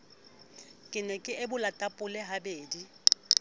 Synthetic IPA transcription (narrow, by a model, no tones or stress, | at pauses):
kʼɪnɛkʼɪʔɪbʊlatʼapʼʊlɛɦabeːdi